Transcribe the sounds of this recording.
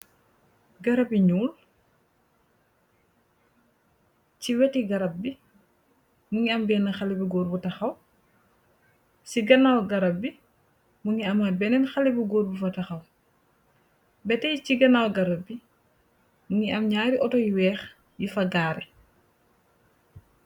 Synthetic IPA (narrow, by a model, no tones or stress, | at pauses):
ɡɐɾɐbiɲuːl | ciwɛtiɡɐɾɐp̚bi | muŋiɐmbɛːnɐxɐlibiɡɔːɾbutɐxɐw | siɡɐnawɡɐɾɐp̚bi | muŋiɐmɐbɛnɛnxɐlibiɡɔːɾbufɐtɐxɐw | bɛtɛjciɡɐnawɡɐɾɐp̚bi | muŋiɐmɲaːɾiʔɔtɔjiwɛːx | jifɐɡaːɾɛ